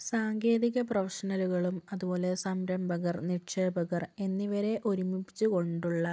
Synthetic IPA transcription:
saːŋɡe̞ːðiɣɐprɐfɐʂɐnɐluɣɐɭumɐðubo̞ːle̞sɐmɾɐmbʱɐɣɐrniʈʂeːbɐɣɐre̞nːiʋɐɾe̞ʔo̞ɾumipit͡ɕːuko̞ɳɖuɭːɐ

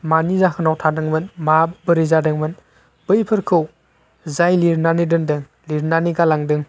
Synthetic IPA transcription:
manizakʰɯnawtʰadɯŋmɯnmabɯɾizadɯŋmɯn | b̥ɯjpʰɯɾkʰɯw | zajliɾnanidɯŋdɯŋ | liɾnaniɡalaŋdɯŋ

